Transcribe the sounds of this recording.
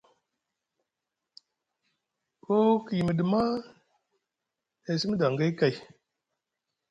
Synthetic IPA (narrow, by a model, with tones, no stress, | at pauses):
ko˦ki˨jmə˨də˨ma˦ | e˨si˦m˦da˨ŋɡa˦ka˨j